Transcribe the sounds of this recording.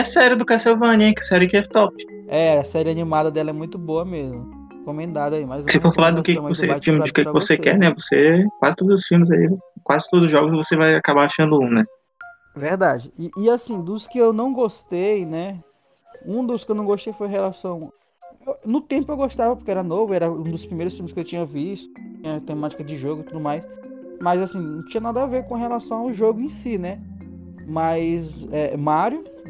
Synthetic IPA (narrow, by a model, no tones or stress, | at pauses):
ɐsɛɾɪd̪ʊkasewvɐ̃nɛ̃kɪsɛɾɪɪkɛvt̪ɔpɪ̥ | ɛɐsɛɾɪanimad̪ɐd̪ɛlɐɛmũj̃t̪ʊboɐmezmʊ | kõmẽnd̪ad̪ʊaimazsefoɾfalaɾd̪ʊkekɪɪmavoseafimɪd͡ʒɪʊkekɪɪvosekɛ̰ɾnɛvosekwazɪt̪od̪ʊzʊsfiwmɪzaikwazɪt̪od̪ʊzʊzʒɔɡʊsvosevajakabaaʃɐ̃nd̪ʊũnɛ | veɾd̪ad͡ʒɪɪʔːasĩd̪ʊskɪewnɐ̃w̃ɡost̪ejnɛ | ũd̪ʊskɪewnɐ̃w̃ɡost̪ejfojɦelasɐ̃w̃ | ewnʊt̪ẽmpʊewɡoʃt̪avɐpoɾkeɛɾɐnovʊɛɾɐũd̪ʊspɾimejɾʊst̪ĩmɪskɪewt͡ʃĩɲɐviʃt̪ʊĩɲɐt̪ẽmat͡ʃi̥kɐd͡ʒɪʒoɡʊɪt̪ud̪ʊmajs | mɐzasĩnɐ̃w̃t͡ʃĩɲɐnad̪ɐaveɾkõɦelasɐ̃w̃aʊʒoɡʊẽsinɛ | majzɛmaɾjʊ